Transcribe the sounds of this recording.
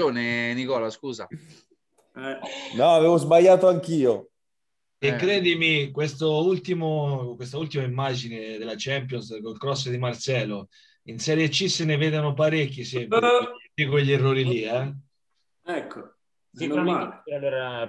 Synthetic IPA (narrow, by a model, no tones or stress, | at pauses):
oːnenikɔːlaskuːza̰ | ɛnɔaveːvozbaʎːaːt̪oaŋk̟iːo | ekːɾɛːd̪imikwest̪oult̪imokwest̪ault̪imaimːad͡ʒined̪elat͡ʃɛmpjɔnskolkɾɔs̬ːed̪imarsɛːlo | insɛːɾjet͡ʃːisːeneveːd̪onopaɾekʲːisɛmpikoʎːierːoːɾiliɛ | ɛkʰːo | aɛeɾa